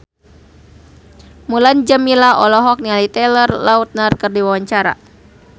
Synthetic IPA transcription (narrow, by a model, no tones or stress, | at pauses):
muland͡ʒəmilaʔɔlɔɦɔk̚nialit̪ɛlərlaut̪̚nərkərdiwawaɲt͡ʃaɾa̰